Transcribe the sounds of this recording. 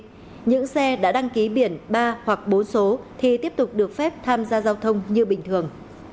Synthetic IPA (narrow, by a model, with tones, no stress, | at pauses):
ɲɨ̰˧˥ŋsɛ˧ɗa̰ː˧˥ɗa˧ŋki˨˦ɓi˧˩ənɓaː˧hwa˨˩k̚ɓo˨˦nso˨˦t̪ʰi˨˩t̪i˦˥əp̚t̪ʊ˨˩k͡p̚ɗɨ˨˩ək̚fɛ˦˥p̚t̪ʰaː˧mzaː˧zaː˧wt̪ʰə˧wŋ͡mɲɨ˧ɓï˨˩ŋ̟t̪ʰɨ˨˩əŋ